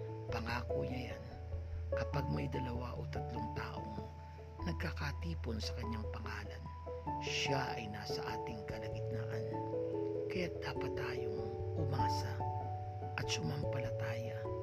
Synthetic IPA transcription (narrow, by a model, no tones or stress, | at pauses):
pɐŋaːkojɐjan | kɐpaɡ̚mɐjd̪ɐlɐwaʔo̞̰t̪ɐt̪lo̞ŋt̪a̰ːʔo̞̰ŋ | nɐɡ̚kakat̪iːponsɐkɐɲːaŋpɐŋaːlɐn | ʃaʔɐ̰jnaːsɐʔaːt̪ɪŋkɐlɐɡɪt̪̚naːʔɐn | kɐjat̪̚d̪̥aːpɐt̪ːaːjoŋʔʊmaːsɐ | ʔɐt̪sʊmampɐlɐt̪aːjɐ